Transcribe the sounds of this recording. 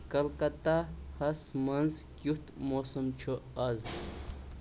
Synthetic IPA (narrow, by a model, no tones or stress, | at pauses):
kɐlkɐt̪ahɐsmɐnzkʲjut̪moːsɐmt͡ʃʰuɐz